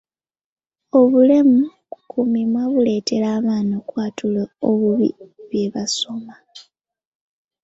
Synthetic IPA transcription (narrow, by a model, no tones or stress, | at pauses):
o̞βule̞mukukʰumimwaβule̞ːtʰe̞laːβaːnokwaːtulooβuβḭβje̞βaso̞ma